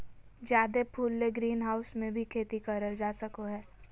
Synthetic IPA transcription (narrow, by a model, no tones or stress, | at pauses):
d͡ʒjaːd̪epʰuːlːeɡɾiːnɦaːʊsmẽbʱikʰeːt̪ikəɾəld͡ʒaːsəkoɦɛː